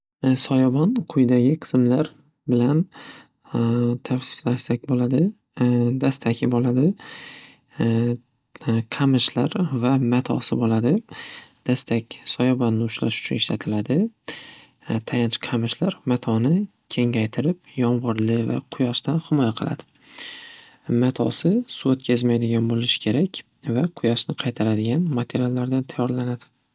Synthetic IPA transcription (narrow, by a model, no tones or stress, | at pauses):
sɒjɒbɒnqʰʊjd̪aɡʲɪqʰɨ̥smlaɾ | bɪlan | t̪ʰafsɪ̥slaʃsakʲbolad̪ɪ | d̪ast̪ʰakʲʰɪbolad̪ɪ | qʰamɪʃlaɾvamat̪ʰɒ̰sɪbolad̪ɪd̪̥ast̪ʰakʲsɒjɒbɒnːɪʊʃla̰ʃʊ̥t͡ʃʰʊnɪʃlat̪ʰɪlad̪ɪ | t̪ʰajant͡ʃʰqʰɑmɪʃlaɾmat̪ʰɒnɪ | kʲʰe̞ŋajt̪ʰɪɾɪp̚jɒnvɒɾlɪva̰qʰʊjaʃt̪anhɪmɒjaqʰɨlˠa̰d̪̥ɪ | mat̪ʰɒ̰sɪsuot̪kʲʰazmajd̪ɪɡʲanbolɪʃɪ̥kʲʰe̞ɾakʲ | vaqʰʊjaʃnɪqʰɑjt̪ʰaɾad̪ɪɡʲanmat̪ʰe̞ɾijalːaɾd̪ant̪ʰajːɒɾlanad̪̥ɪ̥